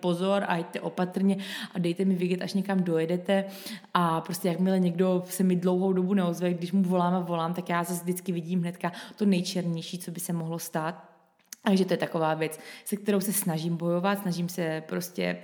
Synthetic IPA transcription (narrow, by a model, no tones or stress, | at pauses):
po̞zo̞ɾʔa̰ɛc̚t̪ɛʔo̞pat̪ɾ̩ɲɛʔadɛjt̪ɛmɪvɪɡɛt̪ʔaʃɲɛkamdo̞jɛdɛt̪ɛʔapɾostcɛjakmɪlɛɲɛɡdo̞sɛmɪdlo̞wɦo̞wdo̞bunɛozvɛjɡdɪʃmuvo̞laːmavo̞laːmt̪akjaːzazdɪt͡skɪvɪɟiːmɦnɛt̪kat̪o̞nɛjt͡ʃɛɾɲɛjʃiːt͡so̞bɪsɛmoɦlo̞st̪aːt̪̚ | t̪aɡʒɛt̪ojɛt̪ako̞vaːvjɛt͡ssɛk̚t̪ɛɾo̞wsɛsnaʒimbo̞jo̞vat̪snaʒiːmsɛpɾo̞scɛ̰